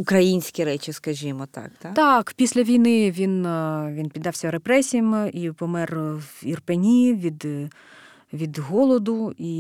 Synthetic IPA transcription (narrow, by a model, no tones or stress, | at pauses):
ʊkɾɐjinʲsʲkʲiɾɛt͡ʃɪskɐʒʲimɔt̪ɑ̰kt̪at̪ɑkpʲisʲlʲɐʋʲijnɪʋʲinʋʲinpʲid̪ːɑwsʲɐɾepɾɛsʲijɐmipɔmɛrirpenʲiʋʲid̪ | ʋʲid̪ɦɔlˠɔd̪ʊi